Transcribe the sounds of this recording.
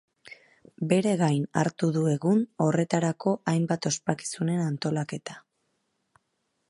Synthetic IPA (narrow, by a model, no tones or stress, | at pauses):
be̞ɾe̞ɣajna̰ɾt̪uðue̞ɣuno̞re̞t̪aɾako̞ʔajmbat̪o̞spaki̥sune̞nant̪o̞lake̞t̪ḁ